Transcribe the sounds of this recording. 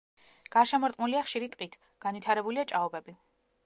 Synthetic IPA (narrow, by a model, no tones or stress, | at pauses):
ɡ̥aʃamɔɾt̪ʼmuliaχʃiɾit̪ʼqʼit̪ʰ | ɡ̥anvwit̪ʰaɾɛbuliat͡ʃʼaɔbɛbi